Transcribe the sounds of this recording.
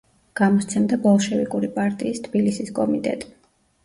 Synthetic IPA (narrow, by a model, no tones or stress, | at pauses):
ɡ̥amɔst̪sʰɛmd̪abɔlˠʃɛvikʼuɾipʼaɾt̪ʼiːst̪ʰb̥ilisiskʼɔmit̪ʼɛ̰t̪ʼ